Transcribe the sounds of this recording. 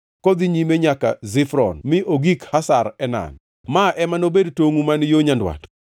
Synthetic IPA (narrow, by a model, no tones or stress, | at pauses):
kɔd̪iɲimeɲaka̰zɪfɾɔ̰nmɪʔoɡikhasaɾɛna̰n | maʔɛmanobedtoŋumanjoɲandwa̰t